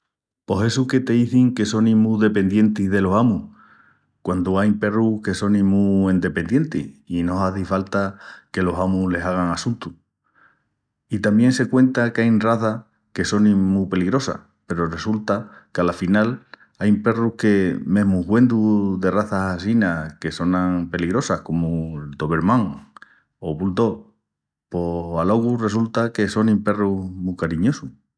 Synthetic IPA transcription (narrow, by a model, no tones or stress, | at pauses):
po̞se̞suke̞t̪e̞iθiŋke̞so̞nĩmuðe̞pe̞nd̪je̞nt̪iðe̞lo̞samu | kwand̪uajpe̞ruhke̞so̞nĩmuend̪e̞pe̞nd̪je̞nt̪ḭhino̞aθifalt̪ake̞lo̞samule̞saɣ̞aŋasunt̪u | it̪ambjẽ̞nse̞kwẽ̞nt̪akeajnraθa | ke̞so̞nĩmupe̞liɣɾo̞sa̰ | pe̞ɾore̞sult̪akealafinal | ajmpe̞ruhke̞mẽ̞ɦmuɣwe̞nd̪uðe̞raθasas̬inake̞so̞nãŋpe̞liɣɾo̞sahko̞mud̪o̞βe̞ɾmãŋ | oβuld̪o̞ | po̞alo̞ɣ̞ure̞s̬ult̪ake̞so̞nĩmpe̞rumukaɾiɲo̞su